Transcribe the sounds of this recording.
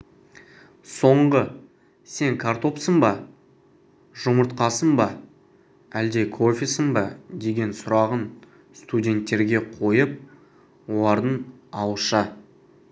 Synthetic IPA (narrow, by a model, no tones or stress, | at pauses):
so̞ɴʁə | se̞ŋkʰaɾt̪o̞psəɴbɑ | ʒ̥ʊməɾt̪̚qɑsəɴbɑ | æld̪e̞kʰo̞fʲisəɴbɑd̪e̞ɡʲe̞nsʊɾɑʁən | st̪udʲe̞nt̪ːe̞ɾɡʲe̞qʰo̞jəp̚ | wo̞lˠɑɾd̪əɴ | ɑwʃɑ